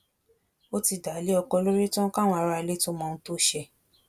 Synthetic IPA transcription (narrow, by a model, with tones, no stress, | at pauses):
o˦ti˧˨da˨˦le˦ɔ˧kɔ˧lo˦ɾe˦tɔ̃˦ka˦w̃ɔ̃˧a˧ɾa˧le˦to˦mɔ̃˧˦to˦ʃɛ˧˨